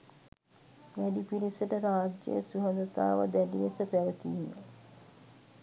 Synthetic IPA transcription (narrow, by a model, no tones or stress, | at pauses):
ʋæɖipiɾisəʈəɾaːd͡ʒḛjsuɦɐnd̪ət̪a̰ːʋə̰d̪æɖiʋesəpæʋət̪inːə